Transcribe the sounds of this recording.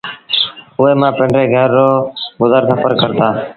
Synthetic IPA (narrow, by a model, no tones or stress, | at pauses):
ʊɦeːmãːpə̃ɳɖɾeːɡʱəɾːoːɡʊzəɾkəpʰəɾkəɾt̪aː